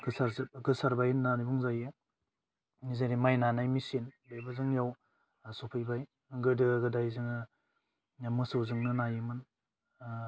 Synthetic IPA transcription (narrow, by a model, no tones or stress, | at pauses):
ɡɯsaɾɡɯsaɾbajnanibuŋzajɯ | nizaɾimajnanajmisinbejbɯzɯŋjaw | supʰɯjbaj | ɡɯdɯɡɯdajzɯŋɯ | mɯsɯwzɯŋnɯnajɯmɯn